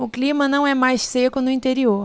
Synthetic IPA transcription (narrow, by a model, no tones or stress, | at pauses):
ʊklĩmɐnɐ̃w̃ɛmajʃssekʊnʊĩt̪eɾioɾ